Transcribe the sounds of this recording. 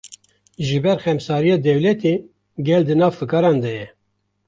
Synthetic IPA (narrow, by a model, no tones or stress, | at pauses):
ʒɨbɛɾxɛmsɑːɾijɑːd̪ɛwlɛt̪e | ɡɛld̪ɨnɑːvfɨkɑːɾɑːnd̪ɛjɛ